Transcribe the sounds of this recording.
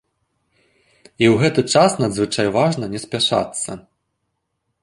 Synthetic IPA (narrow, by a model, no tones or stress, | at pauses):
iwɣɛt̪ɨt͡ʂasnɐd̪zvɨt͡ʂajvaʐnɐnʲɛsʲpʲaʂa̰t̪sːɐ̰